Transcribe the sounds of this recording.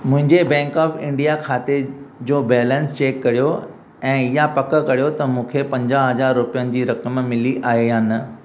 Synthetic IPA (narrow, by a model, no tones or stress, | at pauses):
mʊ̃ɦɪ̃ɲd͡ʑebɛ̃ːŋkɔːfɪ̃ɳɖijakʰaːt̪ed͡ʑoːbɛːlɛ̃nst͡ɕeːkːɐɾijo | ɛ̃ːɪjapɐkə̆kɐɾijot̪ɐmũːkʰepɐ̃ɲd͡ʑaɦɐzaːɾːʊpijənɪ̆d͡ʑiːɾɐkəmmɪliʔaːɦeɦaːn̆